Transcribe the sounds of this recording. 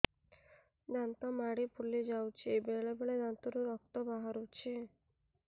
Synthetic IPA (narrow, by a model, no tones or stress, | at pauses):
d̪ant̪ɔmaɽipʰuɭːid͡ʒawt͡ʃʰibeɭebeɭed̪ant̪ɔɾuɾɔk̚t̪ɔbaɦaɾut͡ʃʰi